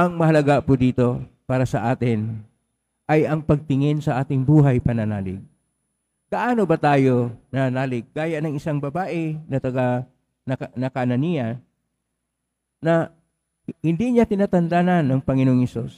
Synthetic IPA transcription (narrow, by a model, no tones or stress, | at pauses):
ʔɐŋmɐhɐlɐɡapʊd̪iːt̪o̞paːɾɐsɐʔaːt̪ɪn | ʔɐjɐŋpɐɡ̚t̪ɪŋɪnsɐʔaːt̪ɪŋbuːɦɐjpɐnɐnaːlɪ̰ɡ̚ | ɡ̥ɐʔaːno̞bɐt̪aːjo̞nɐhnaːlɪɡ̚kaːjɐʔnɐŋɪsaŋbɐbaːʔɛnɐt̪ɐɡa | ɐnɐkanɐnijɐ | nɐ | hɪnd̪iɲat̪ɪnat̪ɐnd̪ananːɐŋpɐŋɪnooŋhɛsus